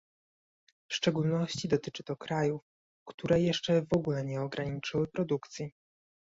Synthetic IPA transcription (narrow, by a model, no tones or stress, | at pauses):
fʂt͡ʂɛɡulnɔɕt͡ɕid̪ɔt̪ɘt͡ʂɘt̪ɔkɾajuf | kt̪uɾɛjɛʂt͡ʂɛvɔɡulɛɲɛɔɡɾaɲit͡ʂɘwɘpɾɔd̪ukt̪sʲji